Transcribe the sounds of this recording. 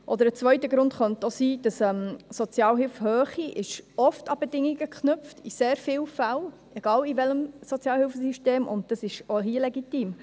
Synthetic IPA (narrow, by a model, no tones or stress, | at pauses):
ʔɔd̪əɾət͡sʋœʏtəɡɾʊndχœntosiːd̥əsɛmsɔt͡sjɑːlɦɪlfhøːχiʔɪʃɔftɑb̥edɪŋːiɡəkχnʏpftʰiseːɾfɪːlfæl | eɡ̥ɑːlivɛləmsɔt͡sjɑːlhɪlfəsiʃteːmʊ̰nd̚d̥ɑsɪʃoɦiəlɛɡitiːm